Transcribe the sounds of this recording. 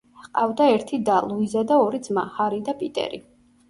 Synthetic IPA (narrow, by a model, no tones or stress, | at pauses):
qqʼavd̪aɛɾt̪ʰid̪alˠuizad̪aɔɾid̪zmahaɾid̪apʼit̪ʼɛ̰ɾḭ